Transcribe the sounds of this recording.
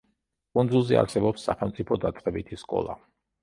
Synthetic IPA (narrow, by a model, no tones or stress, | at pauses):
kʼunzulˠzɛa̰ɾsɛbɔpsːa̰χɛlˠmt̪sʼipʰɔd̪at̪sʼqʼɛbit̪ʰiskʼɔ̰lˠa̰